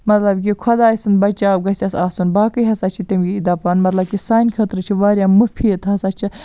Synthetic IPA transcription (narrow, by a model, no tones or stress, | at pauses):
mɐt̪lɐbk̬ʲikʰɔd̪aːjisɨnbɐt͡ʃaːwɡɐsʲɐsaːsunbaːkɨjɦɐsaːt͡ʃʰit̪imɡʲiid̪ɐpaːnmɐt̪lɐb̚kʲisaːnʲkʰɐt̪ɾɨt͡ʃʰiʋaːɾʲjaːmufʰiːt̪ɦɐsaːt͡ʃʰi